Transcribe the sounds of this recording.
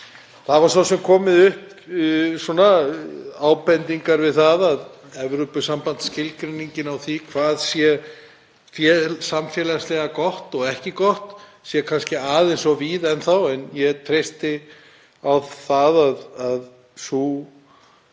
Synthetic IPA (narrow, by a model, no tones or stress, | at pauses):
θaðvaɾ̥sawsɛmkʰɔːmɪðʏhp | sɔna | aːwpɛnt̪iŋkaɾvɪðθaðað | ɛvɾʏpʏsampant̪scɪlkɾeniɲcɪnawθikʰv̥aːðsjɛ | fjɛlsamfjɛlaslɛɣakɔht̪ɔɣɛhcɪkɔht̪ | sjɛkʰanscɪaːðensɔviðɛnθawɛnjɛt̪ʰɾejst̪ɪ | awðθaðaðað | su